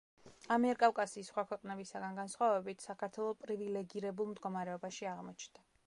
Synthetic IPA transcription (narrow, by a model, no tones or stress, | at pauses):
amiɛɾkʼafkʼasiːsχwakʰwɛqʼnɛbisaɡanɡansχwavɛbit̪ʰsakʰaɾt̪ʰwɛlˠɔpʼɾivilɛɡiɾɛbulˠmd̪ɡɔmaɾɛɔbaʃiaʁmɔt͡ʃʰnd̪̥a